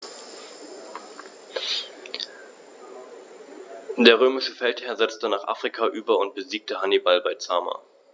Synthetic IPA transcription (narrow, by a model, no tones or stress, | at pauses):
d̥eːɐʁ̞øːmɪʃəfɛlthɛːɐzɛt͡stənaːχʔa̰ːfʁ̥ikʰaʔyːbɐʊnt̚b̥əziːk̚təhanibalbaɪt͡saːma̰